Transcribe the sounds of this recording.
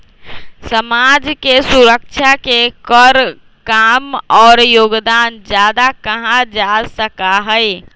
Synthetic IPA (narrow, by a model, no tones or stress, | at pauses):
səmad͡ʒkesuɾək̚t͡ʃʰakekəɾ | kamɔːɾjoɡd̪and͡ʒad̪akəɦãd͡ʒasəkaɦəj